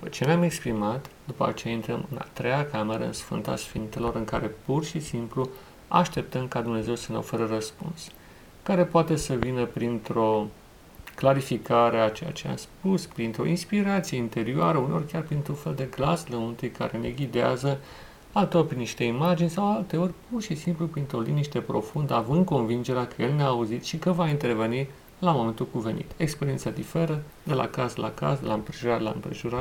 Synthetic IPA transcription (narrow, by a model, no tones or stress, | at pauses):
d̪upət͡ʃe̞neame̞kspɾimat̪d̪upəa̰t͡ʃeaint̪ɾəmɨna̰t̪ɾejakame̞ɾə̰ɨ̰nsfɨ̰nt̪a̰sfint̪elo̞ɾɨŋkaɾepurʃisimplu | a̰ʃt̪e̞p̚t̪əmkad̪umne̞ze̞wsənə̰wfəɾərəspṵns | kaɾe̞poat̪e̞səvinəpɾint̪ɾo̞ | klaɾifikʰaɾe̞at͡ʃeja̰t͡ʃea̰mspuspɾint̪ɾo̞̰inspiɾat̪sijeint̪e̞ɾioaɾəuneo̞rʲkʲarpɾint̪ɾufe̞ld̪e̞ɡlasləmunt̪ujkʰa̰ɾene̞̰ɡʲid̪ea̰zə | alt̪eorʲpɾiniʃt̪e̞imad͡ʒinʲsawalt̪e̞o̞rʲpurʃisimplupɾint̪ɾo̞lḭniʃt̪e̞pɾo̞̰fund̪əavɨnd̪̚ko̞nvind͡ʒeɾeakəjelneaːuzit̪ʃikəvaint̪e̞rve̞ni | lamo̞me̞nt̪ulkuve̞nḭt̪ekspeɾient̪sad̪ife̞ɾə | d̪e̞la̰kaslʔa̰ka̰sd̪laɨmpɾeʒuɾat̪la̰ɨ̰mpɾeʒuɾat̪